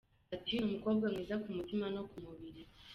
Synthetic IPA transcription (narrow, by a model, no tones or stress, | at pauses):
atinumuko̞ːb̚ɡamŋiːzakumutimano̞kumuβiɾi